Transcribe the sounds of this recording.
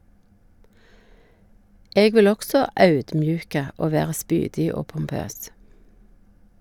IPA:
ˈeːɡ ˈʋɪl ˈɔksɔ ˈɑʉdmˌjʉːkə ˈoː ˈʋeːʁə ˈspyːdɪ ˈoː pʊmˈpøːs

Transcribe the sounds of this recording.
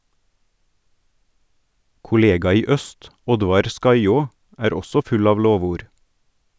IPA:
kʊˈleːɡɑ ˈiː ˈœst ˈɔdʋɑɾ ˈskɑɪoː ˈæːɾ ˈɔsɔ ˈfʉl ˈɑːʋ ˈloːʋuːɾ

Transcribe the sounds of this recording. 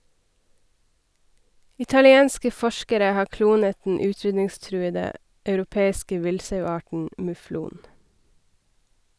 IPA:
ɪtɑlɪˈeːnskə ˈfɔʃkəɾə ˈhɑː ˈkluːnət dn̩ ˈʉːˌtɾʏdnɪŋˌstɾʉːədə ɑʉɾʊˈpeːɪskə ˈʋɪlsɑʉˌɑːʈɳ̩ mʉˈfluːn

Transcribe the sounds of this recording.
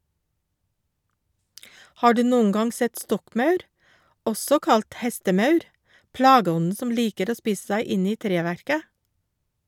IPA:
ˈhɑː ˈɖʉː ˈnoːəŋ ˈɡɑŋ ˈsɛt ˈstɔkˌmɑʉɾ ˈɔsɔ ˈkɑlt ˈhɛstəˌmɑʉɾ ˈplɑːɡəˌɔnn̩ ˈsɔm ˈliːkəɾ ˈoː ˈspiːs̩ ˈsæɪ ˈɪn ˈiː ˈtɾeːˌʋæɾkə

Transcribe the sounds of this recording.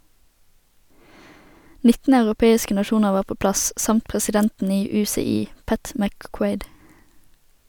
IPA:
ˈnɪtn̩ ɑʉʁʊˈpeːɪskə nɑˈʃuːnəʁ ˈʋɑːʁ ˈpoː ˈplɑs ˈsɑmt pʁɛsɪˈdɛntn̩ ˈiː ˌʉːsɛˈiː ˈpæt mækˈkweɪd

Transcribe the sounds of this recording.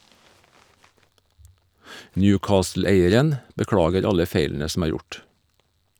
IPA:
ˈnjʉːˌkɑːsl̩ˌeɪəɾən bəˈkɽɑːɡəɾ ˈɑlə ˈfeɪln̩ə sm̩ ˈæːɾ ˈjʊʈ

